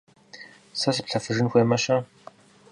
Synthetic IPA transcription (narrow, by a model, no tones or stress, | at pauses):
sɐs̬pɬɐfɨʐɨnxʷeːmɐɕɐ